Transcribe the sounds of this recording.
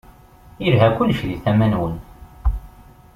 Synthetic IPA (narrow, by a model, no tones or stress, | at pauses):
iɾɦækʷʊlːʃɾiθæmænwən